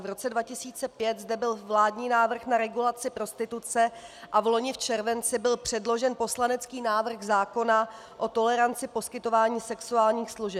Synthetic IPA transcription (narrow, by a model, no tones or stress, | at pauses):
vɾo̞t͡sɛdvacɪsiːt͡sɛpjɛt̪zdɛbɪlvlaːdɲiːnaːvr̩xnaɾɛɡulat͡sɪpɾo̞st̪ɪt̪ut͡sɛʔavlo̞ɲɪft͡ʃɛɾvɛnt͡sɪbɪlpr̥ɛdlo̞ʒɛnpo̞slanɛt͡skiːnaːvr̩xzaːko̞na | ʔo̞t̪o̞lɛɾant͡sɪpo̞skɪt̪o̞vaːɲiːsɛksuaːlɲiːxsluʒɛp